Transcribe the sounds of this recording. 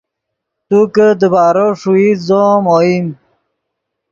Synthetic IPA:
t̪ukəd̪əbaːɾoʂuizomoim

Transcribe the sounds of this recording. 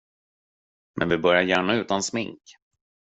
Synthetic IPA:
mʔɛ̰nvɪbœɾjaɾjæːɳaʉ̟ːt̪ansmɪŋk

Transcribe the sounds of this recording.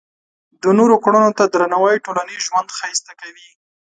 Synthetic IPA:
d̪ənoɾokɽunot̪ad̪ɾanawajʈolaniʒwand̪xajst̪akawi

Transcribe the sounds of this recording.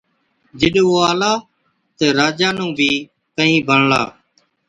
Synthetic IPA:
d͡ʒɪɗoːaːlaː | t̪eːɾaːd͡ʒaːnũːbʱiː | kəɦĩːbʱəɳla̰ː

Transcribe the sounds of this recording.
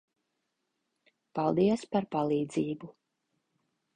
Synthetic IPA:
palˠd̪iɛspaɾpalˠiːd̪ziːbu

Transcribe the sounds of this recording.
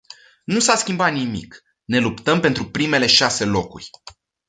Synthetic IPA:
nusaskʲimbat̪nimḭk | ne̞lupt̪əmpent̪ɾupɾime̞le̞ʃase̞lo̞kṵrʲ

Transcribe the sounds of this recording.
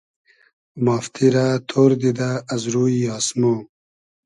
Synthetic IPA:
maːft̪ʰiɾat̪ʰoːɾd̪id̪aːzɾuːiɑːsmo

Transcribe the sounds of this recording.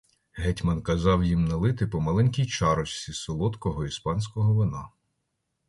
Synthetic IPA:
ɦɛtʲmɐnkɐzɑwjimnɐlˠɪt̪ɪpɔmɐlˠɛnʲkʲijt͡ʃɑɾɔt͡ʃsʲisɔlˠɔt̪kɔɦɔispɑnʲsʲkɔɦɔʋɪnɑ

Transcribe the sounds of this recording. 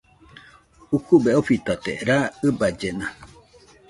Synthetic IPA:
ukubeofit̪at̪ḛɾaɨbad͡ʒena

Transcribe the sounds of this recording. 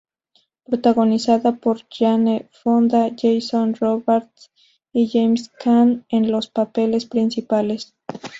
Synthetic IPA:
pɾot̪aɣo̞nisaðapoɾʝanefond̪aʝejsonroβeɾt̪s | iʝejmskʰanenlo̞spapelespɾinsipale̞s

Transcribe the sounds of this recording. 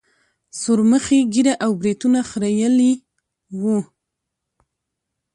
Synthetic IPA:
soɾməxeɡiɾaʔawbɾit̪unaxɾajəli | wu

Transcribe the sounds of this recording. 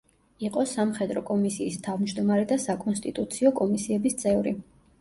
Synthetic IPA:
iqʼɔsamχɛd̪ɾɔkʼɔmisiːst̪ʰavmd͡ʒd̪ɔmaɾɛd̪asakʼɔnst̪ʼit̪ʼut̪sʰiɔkʼɔmisiɛbist̪sʼʰɛvɾi

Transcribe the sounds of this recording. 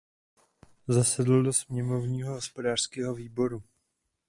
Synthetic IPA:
zasɛdl̩do̞smɲɛmo̞vɲiːɦoɦospo̞daːr̥skɛːɦo̞viːbo̞ɾu

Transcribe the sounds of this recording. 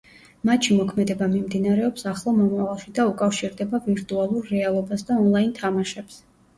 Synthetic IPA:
mat̪ʃimɔkʰmɛd̪ɛbamimd̪inaɾɛɔpsaχlˠɔmɔmavalˠʃid̪aukʼafʃiɾd̪ɛbaviɾt̪ʼualˠuɾːɛalˠɔbasd̪aɔnlˠaint̪ʰamaʃɛps

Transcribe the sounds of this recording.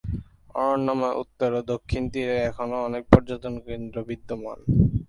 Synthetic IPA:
ɔ̰ɾoɳːɔmoʔṵt̪ːoɾod̪okʰːint̪iɾeɛkʰonoɔnek̚pɔɾd͡ʑot̪onkend̪ɾobid̪ːoma̰n

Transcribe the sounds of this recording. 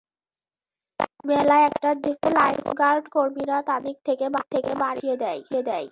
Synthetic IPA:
mɛlaɛkʈad̪ifulajpɡaɾɖkoɾmiɾat̪anik̚t̪ʰekebat̪ʰekebaɾijed̪ɛjed̪ɛj

